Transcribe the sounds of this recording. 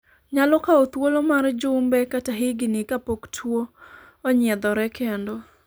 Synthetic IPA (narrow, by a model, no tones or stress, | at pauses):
ɲalɔkaot̪wolomard͡ʒʊmbɛkataɦɪɡɪnɪkapoktʰwoː | ɲɪɛd̪ɔɾɛkʰendo